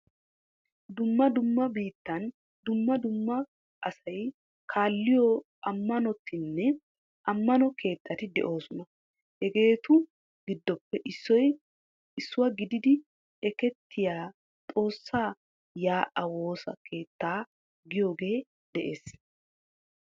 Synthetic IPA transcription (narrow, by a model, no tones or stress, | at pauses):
d̪ʊmːɐd̪ʊmːɐbiːt̪ːɐn | d̪ʊmːɐd̪ʊmːɐ | ʔɐsɐj | kʰaːlːɪjɔ | ʔɐmːɐnɔt̪ʰːɪnːɛ | ʔɐmːɐnɔkʰe̞ːt̪ʰːɐt̪ɪd̪ɛ̰ʔo̞ːsʊnɐ | hɛɡe̞ːt̪ʊ | ɡɪd̪ːɔpːɛʔɪsːɔj | ɪsːʊwɐɡɪd̪ɪd̪ɪ | ɛkɛt̪ːɪjaː | t̪ʼo̞ːsːaː | jaːʔɐwo̞ːsɐ̰kʰe̞ːt̪ːaː | ɡɪjo̞ːɡe̞ː | d̪ɛʔe̞ːs